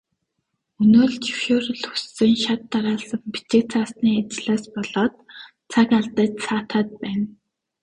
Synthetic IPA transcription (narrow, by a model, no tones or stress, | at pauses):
ɵnoːɮt͡ɕʰi̥wʃoːrɵ̆ɮxu̥sːɘ̆ŋʃat̪ːaɾaːɮsə̆ŋpi̥t͡ɕĕk̚t͡sʰaːsniːat͡ɕɪɮaːspɔɮɔːt̪̚ | t͡sʰakaɮt̪ə̆ːt͡ɕsaːt̪aːt̪̚pæːn